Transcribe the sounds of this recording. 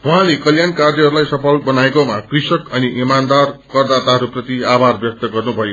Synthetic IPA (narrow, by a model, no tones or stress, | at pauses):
wuɦãlekʌljankard̪jʌɦʌɾulajsʌpʰʌlbʌnaekomakrisʌkʌniʔimand̪arkʌrd̪at̪aɦʌɾuprʌt̪iabʱarbjʌk̚t̪ʌɡʌrnubʱʌjo